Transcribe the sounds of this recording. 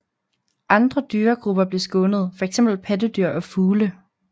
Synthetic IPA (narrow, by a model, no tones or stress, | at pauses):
ʔɑ̈nd̥ʁɐd̥yːɐɡ̥ʁub̥ɐb̥le̝sɡ̥ɔ̽nəð̞̩ˠfɒ̽eɡ̥sem̰b̥l̩pʰædəd̥yɐ̰ʔɒ̽fuːlə